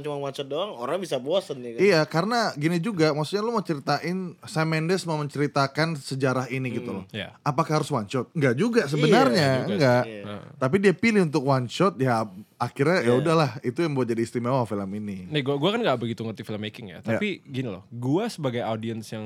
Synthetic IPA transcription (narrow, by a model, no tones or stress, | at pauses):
t͡ʃumaŋwant͡ʃɔt̪̚doaŋoɾaŋbisaboasankijakaɾənaɡinid͡ʒuɡamaksut̪̚ɲalomət͡ʃəɾit̪aʔɪnsamɛndɛsməməɲt͡ʃəɾit̪akansəd͡ʒaɾaɦiniɡit̪ulɔhja̰apakahaɾʊswant͡ʃɔt̪̚ŋɡaʔd͡ʒuɡas̬əbənarɲaəŋɡaʔt̪ap̬idiapilɪhunt̪ʊkwant͡ʃɔt̪̚jaakirɲajaudahlahit̪ujaŋbaat̚d͡ʒadist̪ɾimawafiləmininaɡuaɡuakanŋɡaʔbəɡit̪uŋərt̪ifiləmːekɪŋja̰t̪aapiɡinilɔ̰hɡuasəbaɡajadiənsjaŋ